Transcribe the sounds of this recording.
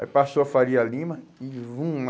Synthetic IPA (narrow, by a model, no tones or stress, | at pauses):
pasoafaɾialĩmɐɪvũ